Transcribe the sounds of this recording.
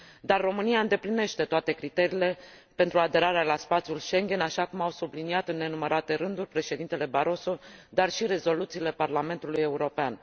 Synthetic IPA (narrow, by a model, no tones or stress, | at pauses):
d̪arːo̞mɨniaɨnd̪e̞pline̞ʃt̪e̞t̪oat̪e̞kɾit̪e̞ɾiːle̞ | pe̞nt̪ɾuad̪e̞ɾaɾealaspat̪sijulʃe̞ŋɡʲe̞naʃakumawsubliniat̪ɨnːe̞numəɾat̪e̞ɾɨnd̪urʲpɾe̞ʃe̞d̪int̪e̞le̞baɾo̞so̞d̪arʃiɾe̞zo̞lut̪siːle̞parlame̞nt̪uluje̞uɾo̞pean